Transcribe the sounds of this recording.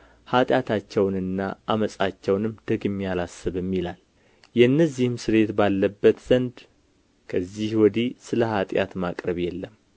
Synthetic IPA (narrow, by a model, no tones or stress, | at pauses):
hat̪ʼjat̪ʰat͡ʃːɛwnɨnːa̰ʔaməsʼat͡ʃːɛwnɨmd̪̥əɡɨmːijalasːɨβɨmːilal | jɛnːəzːihɨmsɨɾe̞t̪balːəbːət̪z̥ənd̪ | kʰəzːihwɔd̪isɨləhat̪ʼja̰t̪makʼɾəβjɛlːəm